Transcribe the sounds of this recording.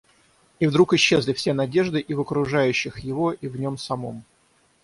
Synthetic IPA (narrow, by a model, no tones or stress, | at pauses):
ivd̪ɾukɪɕːe̞zlʲɪfsʲe̞nɐdʲe̞ʐd̪ɨʔivəkɾʊʐajʉɕːɪxjɪvo̞ʔivnʲo̞msɐmo̞̰m